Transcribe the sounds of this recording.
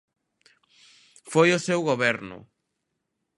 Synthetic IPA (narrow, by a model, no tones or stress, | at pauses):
fojʊsewɣoβɛɾnʊ̰